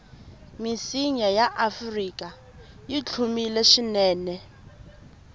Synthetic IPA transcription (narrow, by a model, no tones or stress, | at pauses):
misiɲajaʔafrikʼa | jit͡ɬʰumilɛʃinɛːnɛ